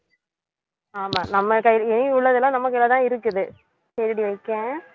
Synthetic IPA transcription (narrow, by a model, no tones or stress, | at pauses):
aːmaːnɐmːɐkɐjɛnɪʊɭːɐðɛlãːnɐmːɐkɐɪlat̪ãːɪɾɯkːɯðɯ | sɐɾɪɽiʋɐɪkːẽː